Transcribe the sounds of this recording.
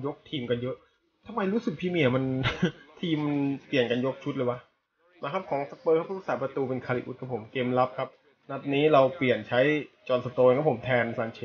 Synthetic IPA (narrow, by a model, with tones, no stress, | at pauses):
jo˦˥k̚t̪ʰiː˧mka˧njɤ˦˥ʔ | t̪ʰa˧mːa˧jɾuː˦˥sɯ˨˩k̚pʰiː˧miː˧˩ɐ˩ma˧nt̪ʰiː˧mːa˧npli˨˩ənka˧njo˦˥k̚t͡ɕʰu˦˥t̪̚lɤ˧jwa˦ʔ | maː˦˥˩kʰa˦˥p̚kʰɔː˩˦ŋsa˦˥k̚pɤː˧kʰa˦˥pɾuː˦˥k̚saː˩˦pɾa˧t̪uː˧pe˧nkʰaː˧li˨˩ʔṵː˦˩kʰa˦˥pʰo˩˦mkeː˧mla˦˥p̚kʰa˦˥p̚ | na˦˥p̪̚niː˦˥ɾa˧wpli˨˩ənt͡ɕʰa˦˥jt͡ɕɔː˧nsa˧t̪oː˧nkʰpʰo˩˦mt̪ʰɛː˧nsaː˧˩nt͡ɕʰe˧˥